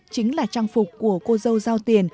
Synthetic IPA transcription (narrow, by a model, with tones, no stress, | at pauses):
t͡ɕï˨˦ŋ̟laː˨˩t͡ɕaː˧ŋfʊ˨˩k͡p̚kːu˧˩əko˧zə˧wzaː˧wt̪i˨˩ən